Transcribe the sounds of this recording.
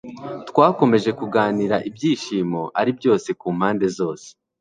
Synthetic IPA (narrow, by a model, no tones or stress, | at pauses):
tkwaːko̞me̞ʒe̞kuɡaːniɾaʔibjiːʃiːmo̞ʔa̰ɾibjo̞ːse̞kuːmhaːnde̞zo̞ːse̥